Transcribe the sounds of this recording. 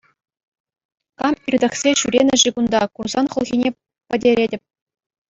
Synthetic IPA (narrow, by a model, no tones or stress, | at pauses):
kɑmirʲd̪ɘ̆χsʲeɕyɾʲenʲɘ̆ʐiɡund̪ɑkurz̥ɑnχŭlˠʁʲinʲe | pʲɘ̆dʲeɾʲedʲɘ̆p̚ʲ